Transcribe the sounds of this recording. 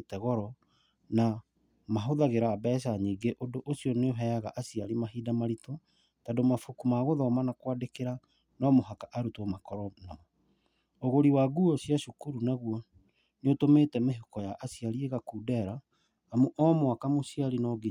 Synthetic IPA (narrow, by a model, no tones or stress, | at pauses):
tɛɣɔɾɔ | na | maɦoðaɣeɾaːbɛʃ̬aɲiːɡeʔondoʔosiɔneoɦɛaɣaʔasiaɾimaɦidamaɾitɔ | tadomafukumaɣoðɔmanakwadekeɾa | nɔmoɦakaʔaɾutomakɔɾɔnɔ | oɣoɾiwaɡuɔsiaʃukuɾunaɣuɔ | neotomeːtɛmeɦokɔjaʔasiaɾieɣakuːdɛɾaː | muʔɔmwakamosiaɾinɔɡe